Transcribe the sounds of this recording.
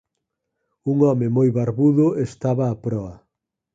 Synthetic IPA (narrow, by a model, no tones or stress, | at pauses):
uŋɔmemojβaɾβuðʊest̪aβaːpɾɔɐ